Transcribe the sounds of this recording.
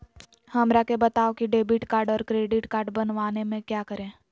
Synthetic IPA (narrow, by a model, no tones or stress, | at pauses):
hɐmɾakebɐt̪aːokiɖeːbɪʈkaːɾɖɔːɾkɾeːɖɪʈkaːɾɖbɐnʋaːnemẽkjaːkəɾẽː